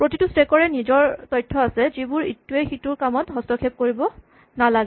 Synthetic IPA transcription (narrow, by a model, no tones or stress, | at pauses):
pɹotitustekɔɹɛnizɔɹtɔjtʰːɔasɛzibuɹitːuexituɹkamɔtɦɔstɔkʰep̚koɹibɔ | nalaɡɛ